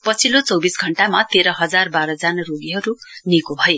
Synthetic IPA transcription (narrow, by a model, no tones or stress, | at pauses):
pʌt͡sʰilot͡sʌwbisɡʱʌɳʈamat̪eɾʌɦʌd͡zarbaɾʌd͡zanʌruɡiɦʌɾunikobʱʌje